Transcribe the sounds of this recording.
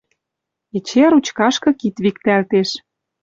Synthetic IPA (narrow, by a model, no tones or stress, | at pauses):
et͡ɕeɾut͡ɕkɑʃkɤ̆kit̪βikt̪ælt̪eʃ